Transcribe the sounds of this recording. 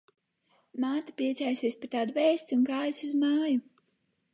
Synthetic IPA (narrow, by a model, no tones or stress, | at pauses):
maːt̪apɾiɛt̪sɛjsʲiɛsʲpʲit̪aːd̪vɛːst̪ʲiunɡaːjusuzmaːju